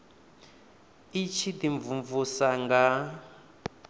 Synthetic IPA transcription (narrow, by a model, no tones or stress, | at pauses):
it͡ʃʰid̪iɱvuɱvusaŋɡa